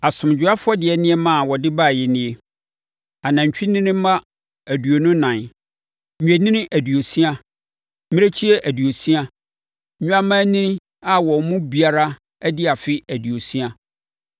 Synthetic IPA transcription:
a˨sʊ̃˨m˨d͡ʑᶣʊ˨˦a˦fʊ˦ɔ˦dɪ˨ɛ˨nɪ̃˦ɛ˦mã˦˨wɔ˨dɪ˦ba˦˨jɛ˨nɪ̃˦e˦ | a˨nã˨ɲ̩˨t͡ɕᶣi˦nɪ̃˦nɪ̃˦mã˦ | æ˨du˨o˨nʊ̃˦nã˨nᶣ˨ | e˨nɪ̃˦nɪ̃˦ʔæ˨du˨o˨si˦a˦ | mɪ̃˦e˦t͡ɕʰi˦ɛ˦ʔæ˨du˨o˨si˦ã˦˨˦ | a˦mã˦nɪ̃˦n˦ | a˦wɔ˨˦mʊ̃˦bi˨a˨ɾa˦ | æ˦dɪ˦a˨fɪ˦æ˨dɥo˨si˦a˨

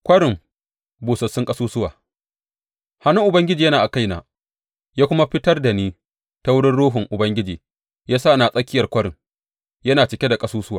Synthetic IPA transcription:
kʷɐ˦ɽɪ˨ŋ | buː˨sɐ˨sːʊ˦ŋkʼɐ˦suː˦sʊ˦wa̰ː˨ | ha˨nʊ˦ŋʔʊ˨bɐ˦ŋɡʲɪ˦d͡ʒiː˨jɐ˦naː˨ʔa˨ka˦jna̰ː˨ | jaː˦kʷʊ˦ma˦ɸɪ˦tɐ˦rda˨niː˦ | ta˦wʊ˦ɽɪ˦nɽuː˦ɦʊ˨ŋʔʊ˨bɐ˦ŋɡʲɪ˦d͡ʒiː˨ | jaː˦saː˦˨naː˨sʼɐ˦kʲɪ˦jɐ˨rkʷɐ˦ɽɪ˨ŋ | jɐ˦naː˨t͡ʃɪ˨kʲe˦da˨kʼɐ˦suː˦sʊ˦waː˨

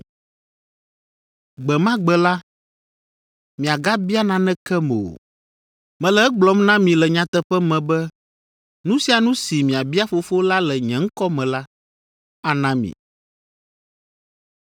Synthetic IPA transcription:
ɡ͡bɛ˨mã˦ɡ͡bɛ˨la˦ | mĩ˨a˨ɡa˦bi˦a˦nã˦nɛ̃˦kɛ˦mɛ˨o̰˨ | mɛ̃˨lɛ˨ɛ˦ɡ͡blɔ˦mnã˦mĩ˨lɛ˨ɲã˨t̪ɛ˦ɸɛ˦mɛ̃˨bɛ˦ | nũ˦si˦a˨nũ˦si˨mĩ˨a˨bi˦a˦fo˨˦fo˦la˦lɛ˨ɲɛ̃˨ŋ̩˦kɔ˦mɛ̃˨la˦ | a˨nã˦mḭ̃˨

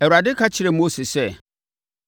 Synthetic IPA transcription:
ɛ˨ɾa˨dɪ˦kʰa˦t͡ɕʰɪ˨ɾɛ˨mo˦se˨sɛ˦˨

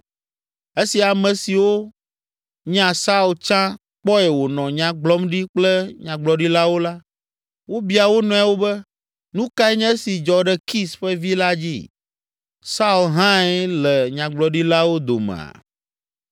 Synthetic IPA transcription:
e˦si˨a˨mɛ̃˨si˨wo˦ | ɲ˦ã˨sa˦u˨lt͡ʃã˦ | k͡pɔ˦ɛ˨wo˨nɔ̃˨ɲã˨ɡ͡blɔ˦mɖi˦k͡plɛ˦ɲã˨ɡ͡blɔ˨ɖi˦la˦wo˦la˦ | wo˦bi˦a˨wo˦nɔ̃˨˦a˦wo˦bɛ˦ | nũ˦ka˦ɛ˦ɲɛ̃˦si˨d͡ʒɔ˨ɖɛ˨ki˦sɸɛ˦vi˦la˦d͡ʑḭ˦ | sa˦u˨lɦã˦ɛ˦lɛ˨ɲã˨ɡ͡blɔ˨ɖi˦la˦wo˦d̪o̰˨mɛ̰̃˨a̰˨

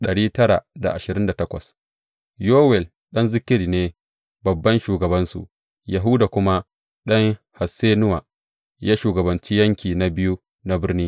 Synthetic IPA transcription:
ɗɐ˨ɽiː˦tɐ˦ɾa̰˨da̰˨ʔa˨ʃɪ˨ɾɪ˦nda˨tɐ˦kʷɐ̰˨s | joː˦wɛ˨l | ɗɐ˦nzɪ˦kʲɪ˦ɽi˨neː˦ | bɐ˨bːɐ˦nʃuː˨ɡɐ˨bɐ˦nsṵ˨ʔ | ja˨ɦʊ˦da˨kʷʊ˦ma˦ | ɗɐ˦ŋha˨seː˦nʊ˦wa˨ | jaː˦ʃuː˨ɡɐ˨bɐ˨nt͡ʃi˦jɐ˦ŋkʲiː˨na˦bɪ˦ju˦ | na˦bɪ˦rniː˦

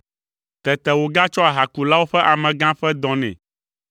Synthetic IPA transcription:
t̪ɛ˨t̪ɛ˨wo˨ɡa˦t͡ʃɔ˦a˨ɦa˨ku˨la˦wo˦ɸɛ˦ʔa˨mɛ̃˨ɡã˦ɸɛ˦d̪ɔ̃˨nɛ̰̃˨

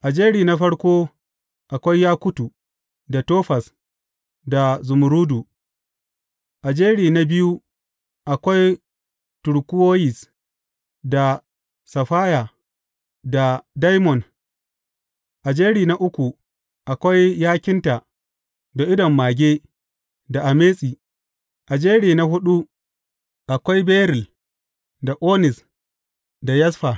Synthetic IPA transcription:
ʔa˨d͡ʒeː˦ɽiː˨na˦ɸɐ˦ɽkʷoː˦ | ʔa˨kʷa˦jːaː˦kʷʊ˦tu˨ | da˨toː˦ɸa˨s | da˨zʊ˨mʊ˨ɾuː˦du˨ | ʔa˨d͡ʒeː˦ɽiː˨na˦bɪ˦ju˦ | ʔa˨kʷa˦j | tʊ˨ɽkʷʊ˦woː˦jɪ˨s | da˨ | sɐ˨ɸaː˦ja˨ | da˨da˦jmɔ˨n | ʔa˨d͡ʒeː˦ɽiː˨na˦ʔʊ˦kʷu˨ | ʔa˨kʷa˦jːaː˦kʲɪ˦nta˨ | da˨ʔɪ˦dɔ˨mːaː˨ɡʲeː˦ | da˨ʔa˨meː˦sʼiː˨ | ʔa˨d͡ʒeː˦ɽiː˨na˦hʊ˦ɗu˦ | ʔa˨kʷa˦jbeː˦ɾɪ˨l | da˨ʔoː˦nɪ˨s | da˨jɐ˦sɸa˨

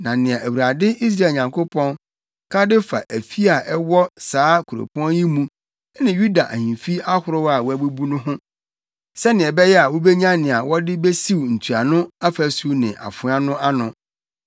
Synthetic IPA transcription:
nã˨nɪ̃˨a˨ʔæ˨wu˨ɾa˨dɪ˦ʔi˦s̬ɾa˦˨ɲã˨ŋkʰo˦pʰɔ̃˦n | kʰã˦dɪ˦fa̰˨ʔæ˨fi˦a˨ʔɛ˦wɔ˦saː˨˦kʰu˨ɾo̰˨pʰɔ̃˦nji˦mũ˦ | nɪ̃˨ju˦da˨ʔæ̰˨hĩ˨fi˦a˦hʊ˨ɾʊ˦wa˨wɔ˦æ˨bu˦bu˦nʊ̃˦ɦʊ̃˦ | sɛ˦nɪ̃˨ɛ˨bɛ˦jɛ˦a˨wʊ˦bɛ˦ɲã˦nɪ̃˨a˨wɔ˦dɪ˦bɛ˦si˦wn̩˨tʰu˨a˨nʊ̃˦a˦fæ˨su˦nɪ̰̃˨ʔa̰˨fʊ̃˨˦a˦nʊ̃˦ʔa˦nʊ̃˨

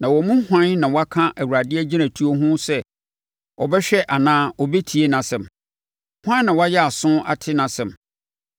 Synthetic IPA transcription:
nã˨wɔ˨mũ˦hʷã˦nnã˨wɔ˦a˦kʰã˦ʔæ˨wu˨ɾa˨dɪ˦ɛ˦d͡ʑi˦nã˨tʰu˦o˦ɦʊ̃˦sɛ˦ | ɔ˨bɛ˦ɕᶣɛ˦ʔa˨nãː˦ɔ˨be˦tʰi˨e˦nã˨sɛ̃˨m | hwã˦n˦nã˨wɔ˦a˦jɛ˦a˨sʊ̃˦a̰˨tʰɪ˦nã˨sɛ̃˨m

